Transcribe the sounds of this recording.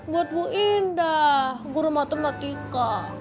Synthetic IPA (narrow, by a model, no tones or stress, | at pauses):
buat̪̚buʔindaɡuɾumat̪ɔmnat̪ika